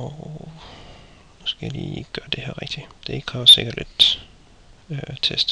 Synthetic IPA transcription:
ɒ | nusɡ̥æjlḭːɡ̥ɶɐd̥e̝hæɐ̰ʁeɡ̥̚d̥id̥e̝e̝ɡ̥kʰɑʋɒse̝ɡ̥ɐd̥led̥ | øt͡sʰesd̥

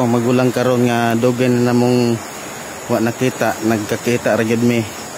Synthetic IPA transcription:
aŋmaɡulaŋkaɾonŋad̪uɡananamʊŋ | waʔnakiːt̪aʔnaɡ̚kakiːt̪aʔɾaɡʊd̪̚mɪ

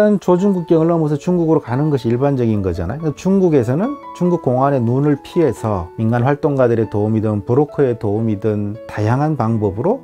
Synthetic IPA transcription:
ɯnt͡ɕod͡ʑuŋɡuk̚k͈eɯɭːʌmʌs̬ʰʌt͡ɕuŋɡuɡɯɾokanɯnɡʌɕ̬ʰiiɭband͡ʑʌɡinɡʌd͡ʑa̰na̰jokt͡ɕuŋɡuɡe̞s̬ʰʌnɯnt͡ɕuŋɡuk̚k͈oŋwane̞nunɯɭpʰiɦe̞sʰʌminɡanɸwaɭt͈oŋɡadɯɾe̞toumidɯnpɯɾokʰoe̞toumidɯntajaŋɦanpaŋbʌbɯɾo

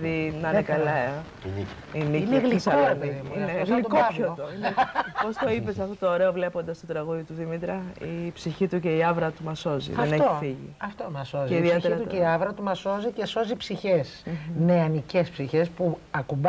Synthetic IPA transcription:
ðinɐnekɐlɐ | nic | iniineɣlikoɾepeðimunɐfɣlit̪kɐvoinpost̪o̞ipesɐft̪ot̪oːɾeovle̞po̞nd̪ɐst̪ot̪ɾɐɣuðit̪uðimit̪ɾɐipsiçit̪uce̞iɐvɾɐt̪umɐso̞zḭeneçt̪oθiʝḭɐft̪omɐso̞ziiðieiçeɾit̪uceiɐvɾɐt̪umɐso̞zice̞so̞zipsiçe̞sneɐnicespsiçe̞spuɐkub

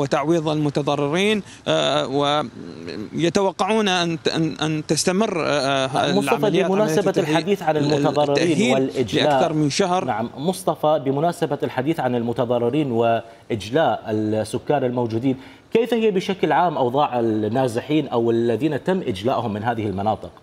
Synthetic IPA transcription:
wɪt̪aʕwiːðˤalmʊt̪ɑðˤɑrˤːɪɾiːn | wɪ | jat̪awɑqːɑʕuːnaʔnʔant̪ɪst̪amɪrːamʊslʕˤɑaɑːɪamʊnaːsabalħad̪iːθʕanɪlmʊɑˤɑrˤːɪaɾiːniːwɪlʔɪd͡ʒʔalaːʔθɑɾˤmɪnʃahɾˤnaʕamːʊsˤt̪ˤɑfɑbɪmʊnaːsabalħad̪iːθʕanɪlmʊt̪ɑðˤɑrˤːɪɾiːnwɪ | ʔɪd͡ʒlaːʔɪlsːʊkːaːɾɪlmowd͡ʒuːd̪iːn | keːfahɪjabɪʃaklʕaːmʔɑwðˤɑːʕɪlnːaːzɪħiːnʔawɪlːaðiːnat̪amːʔɪd͡ʒla̰ːʔhʊmːɪnɦaːðɪhɪlmɑnɑːt̪ˤɨq

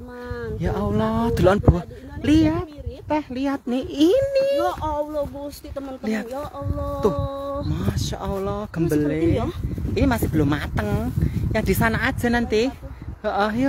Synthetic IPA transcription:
jaʔɔlɔhd̪̥o̤loʔɔnb̥uwaliat̪̚ːɛhliat̪̚neinilɔɡusiəmənliat̪̚t̪ʊhmaʃa̰ʔɔlɔhɡ̥ə̤mbəle | inimasɪhb̥əlomːat̪əŋjaŋd̪̥i̤sanaʔad̥ʒ̥ə̤nant̪ijaʔəj

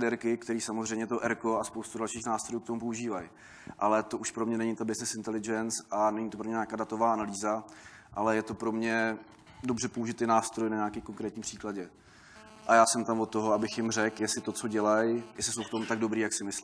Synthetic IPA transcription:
dɛɾkɪkt̪ɛɾiːsamozrɛjmɲɛt̪o̞ʔɛɾko̞aspowst̪udalʃiːxnaːst̪ɾo̞juːkt̪omup̬o̞uʒiːvaj | ʔalɛt̪o̞ʔuʃpɾomɲɛnɛɲɪt̪abɪsnɪsɪnt̪ɛlɪd͡ʒɛnt͡sʔanɛɲɪt̪opɾoɲɛɲaːkaːdat̪ovaːʔanaliːza | ʔalɛjɛt̪o̞pɾo̞mɲɛ | do̞brɛpo̞uʒɪt̪ɛːnaːst̪ɾo̞jnaɲaːkɛːko̞ŋkɾɛːt̪ɲiːpr̥iːklaɟɛ | ʔajaːsɛmt̪amvot̪ːo̞ɦoabɪxjɪmrɛkjɛsɪt̪o̞t͡so̞ɟɛlajjɛslɪso̞wft̪o̞mut̪aɡ̚do̞bɾiːjaksɪmɪsl

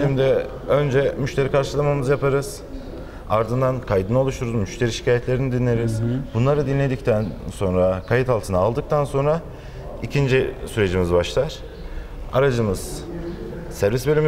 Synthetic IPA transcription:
imd̪ɛ | ø̞nd͡ʒɛmyʃt̪ʰe̞ɾikʰaɾʃɯlˠamamɯzjapʰaɾɯz̥ | aɾd̪ɯnd̪ankʰajd̪ɯnao̞lˠuʃt̪uɾuzmyʃt̪ʰe̞ɾiʃi̥cʰaːjɛt̪lʲeɾinid̪inlːʲe̞ɾiz̥bunlˠaɾɯd̪inlʲe̞d̪ict̪ʰænso̞nɾakʰajit̪ʰalˠt̪ʰɯnaːlˠd̪ɯk̚t̪ʰanso̞nɾa | icʰind͡ʒisyɾe̞d͡ʒimizbaʃlˠaɾ̥ | aɾad͡ʒɯmɯz̥ | sæɾvisbølʲym

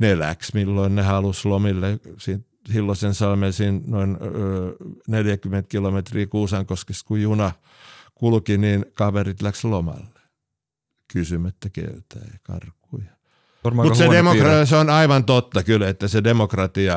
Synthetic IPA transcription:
nelæ̰ksmilːoinnehɑluslomilːesint̪ | silːosensɑlmensinnoinøːneljækymːˑent̪̚kilomet̪riːkuːsɑŋkoskest̪kujunɑ | kulkiniːnkɑʋerit̪lækslomɑ̰lːe̥ | kysymøt̪ːækḛyt̪æ̰ːjɑkɑ̰rkːˑujɑ̥ | mmusedemorɑseonɑiʋɑnt̪ot̪ːɑkylet̪ːæsedemokrɑt̪iɑ

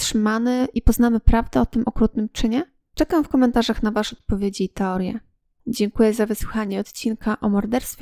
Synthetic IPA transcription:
tʂɘmanɘʔipɔznamɘpɾavd̪ɛɔt̪ɘmʔɔkɾut̪̚nɘmt͡ʂɘɲɛ | t͡ʂɛkamfkɔmɛnt̪aʐaxnavaʂɔt̪̚pɔvʲjed͡ʑiːt̪ɛɔɾjɛ̰ | d͡ʑɛŋkujɛzavɘswuxaɲɛɔt̪t͡ɕinkʰaʔɔmɔɾd̪ɛɾst̪fʲ

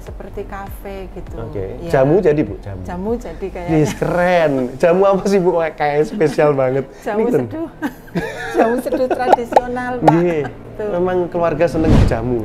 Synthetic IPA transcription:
səpərt̪ikafeɡ̥it̪uokḛd͡ʒamud͡ʒadiboʔd͡ʒa̰mud͡ʒamuaijjesəkəɾɛnd͡ʒ̥amuapasɪhbuʔakajaspesialbaŋət̪̚nikt̪ənd | amusəduɾadisionalɡe | memaŋkəluwarɡasənəŋbd͡ʒamu

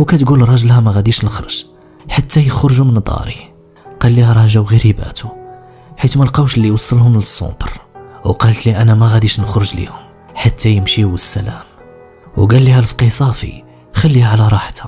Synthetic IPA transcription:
wkæt̪ɡulɾˤɑʒəlhæmæɣæd̪iʃnəxɾə̰ʒ̥ | ħat̪ːæjəxɾʒumənd̪ˤɑ̰ɾi | qɑlːihæɾˤɑʒæwɣiɾibæ̰t̪u | ħit̪mælqɑwʃlːijwɑsˤːəlhʊmləsˤːo̰nt̪ˤɾˤwqɑlət̪liʔænæmæɣæd̪iʃnəxɾəʒlḭhʊm | ħat̪ʰːæjəmʃiwəsːælæ̰m | wɡælːihælfqisˤɑfḭ | xælːihæʕlæɾˤɑħt̪ʰḁ

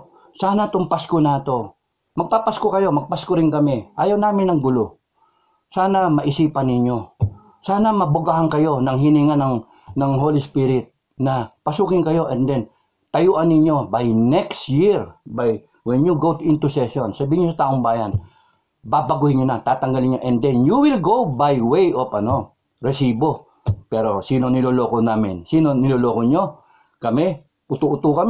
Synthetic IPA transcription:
saːnɐt̪ʊmpaskonaːt̪o̞ | mɐɡ̚papaskokɐjo̞mɐɡ̚paskoɾɪŋkɐmɛʔaːjɐwnaːmɪnɐŋɡʊlo̞ | saːnɐmɐʔɪsiːpɐnːɪɲo̞ | saːnɐmɐbʊɡaɦaŋkɐjo̞nɐŋɦɪniːŋɐnɐŋ | nɐŋɦolɪspiɾɪt̪̚ | nɐpɐsuːkɪŋkɐjo̞ʔɛnd̪ɛn | t̪ɐjuːʔɐnːɪɲjo̞bajnɛkst̪jiɹbaj | wɛnjuɡowt̪ʊʔɪnt̪ʊsɛsonsɐbiːhɪɲosɐt̪aːʔoŋbaːjan | babɐɡuhɪɲɲʊnat̪aːt̪ɐŋɡalɪɲːoʔɛnd̪ɛnjuwɪlɡowbajwejʔopʔɐno | ɾɛsiːbo̞ | pɛːɾo̞siːno̞nɪloloːkonaːmɪnsiːnonɪloːloːkoɲo̞ | kɐmɛ | ʔʊt̪uʔʊt̪ukɐm

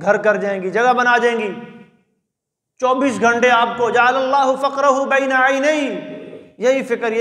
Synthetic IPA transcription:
ɡʱɐɾkɐɾd͡ʒaːẽːŋɡid͡ʒɐɡabɐnad͡ʒãːẽːɡiː | t͡ʃɔːbiːsɡʱɐ̃ɳʈeaːp̚kod͡ʒaalɐlːaːɦʊfɐqɾɐɦubɐɪnaaɪneɪ | jɐɦifɪkəɾj

